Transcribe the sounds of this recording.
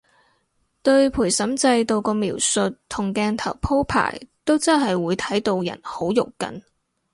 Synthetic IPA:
t̪ɵ˧ɥpʰuː˨˩jsɐ˨˥mt͡sɐ˧jt̪o˧wkɔː˧miː˨˩wsɵ˨˧t̚t̪ʰʊ˨˩ŋkɛː˧nt̪ʰɐ̰˨˩wpʰo˥wpʰa̰ː˨˩jt̪o˥wt͡sɐ˥nɦɐ˨jwuː˨˧jt̪ʰɐ˨˥jt̪o˧wjɐ̰˨˩nho˨˥wjʊ˨kkːɐ̰˨n

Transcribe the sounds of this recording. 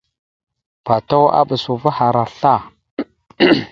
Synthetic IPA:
pa˨ta˦wa̰˦ɓə˨su˨va˦ha˨ɾa˨ɬa˦˨

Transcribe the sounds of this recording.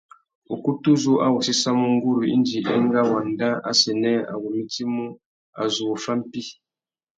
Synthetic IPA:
u˨ku˦tu˦zu˦ʔa˦wu˨si˦sa˦mu˦ŋ̩˦ɡu˦ɾu˨ḭ˦n˦d͡ʒi˨ʔɛ˦ŋ˦ɡa˦wa˨n˦da˦a̰˦sɛ˨nɛ˦a̰˨wu˨mi˦ti˦mu˦ | a̰˨zu˨u˨fa˦m̩˦pi˦

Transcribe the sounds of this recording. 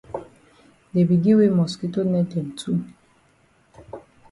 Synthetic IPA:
de˨bi˨ɡi˦we˦mɔ˨ski˦to˦nɛ˦dɛ˨n̩˨tʰu˦

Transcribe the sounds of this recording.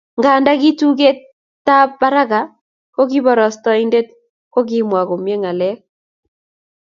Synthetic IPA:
ŋɡa˨nda˦ɡi˦tu˦ɡe˦ | ta˦pba˦ɾa˦ɡa˨ | ko˦ki˦bɔ˨ɾɔ˨stɔ˨˦i˦nde˦t̚ | ko˦ɡɪ˦mwa˨ko˨mje˦ŋa˨lɛ˦k

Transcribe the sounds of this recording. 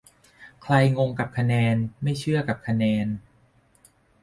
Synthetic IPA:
kʰla˧jŋo˧ŋka˨˩p̚kʰa˧nɛː˧nma˥˩jt͡ɕʰɯ˥˩ɐka˨˩p̚kʰa˧nɛː˧n

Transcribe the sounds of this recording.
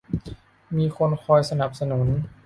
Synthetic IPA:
miː˧kʰo˧nkʰɔː˧jsa˧na˨˩p̚sa˧nu˩˦n

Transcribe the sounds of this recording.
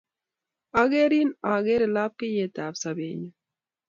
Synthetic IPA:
a˨ɡe˦ɾi˦na˨ɡe˦ɾe˨la˦p̚ke˦je˨t̪a˨bsa˨bḛ˨ɲo˨

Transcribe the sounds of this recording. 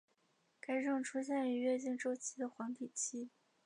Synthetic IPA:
ka˥ɪʈ͡ʂɤ˥˩ŋʈ͡ʂʰu˥ɕjɛ˥˩ni˧˥ɥɛ˥˧t͡ɕi˥˧ŋʈ͡ʂo˥˧ʊt͡ɕʰi˥d̪ə˨xwɑ˧˥ŋt̪i˨˩t͡ɕʰi˥

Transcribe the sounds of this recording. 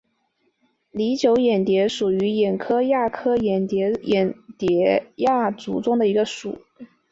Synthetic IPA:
li˧˥t͡ɕjo˧˥ʊjɛ˨˩nt̪jɛ˧˥ʂu˨˩y˧˥jɛ˨˩nkʰɤ˥ja˥˩kʰɤ˥jɛ˨˩nt̪jɛ˧˥jɛ˨˩nt̪jɛ˧˥ja˥˩t͡sṵ˧˩ʈ͡ʂʊ˥ŋd̪ə˨i˧˥ɡə˧ʂṵ˨˩˦

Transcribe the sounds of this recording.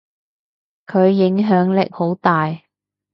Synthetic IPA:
kʰɵ˨˧ɥːɪ˨˥ŋɦœː˨˥ŋlɪ˨k̚ho˨˥wt̪aː˨j

